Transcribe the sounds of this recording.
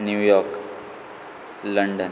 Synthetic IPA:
njuːjɔɾk | ləɳɖən

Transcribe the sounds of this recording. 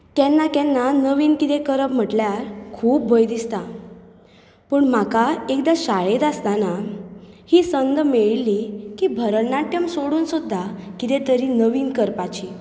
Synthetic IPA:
kjɛ̃nːakɛ̃nːanəʋiːnkit̪ekəɾəpm̤əʈljaɾkʰuːp̚bʱojd̪ist̪a | pəːɳm̤akaekd̪aɕaɭet̪ast̪ana | hiːsənɡ̪meɭlikibʱəɾəlnaʈjəmsoɽuːnsud̪ʱːakit̪et̪əɾinəʋiːnkəɾpat͡ɕi

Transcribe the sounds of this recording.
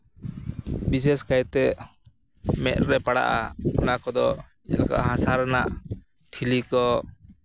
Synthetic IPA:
bis̬ɛskajt̪ɛʔ | mɛt̪̚ɾɛpaɽa̰ʔaɔnakɔd̪ɔ | ɛlaka̰ʔɦãsaɾna̰ʔ | ʈʰilikɔ

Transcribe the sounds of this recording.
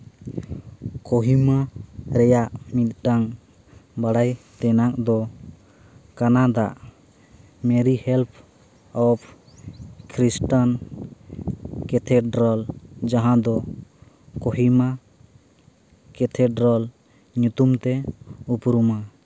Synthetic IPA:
koɦimaɾɛjaʔmit̪̚ʈaŋ | baɽajt̪ɛnak̚d̪ɔ | kanad̪aʔ | mɛɾihɛlpʰ | ɔpʰ | kɾisʈan | kɛt̪ʰɛɖɾɔld͡ʒaɦãd̪ɔ | koɦima | kɛt̪ʰɛɖɾɔl | ɲut̪umt̪ɛupɾuma

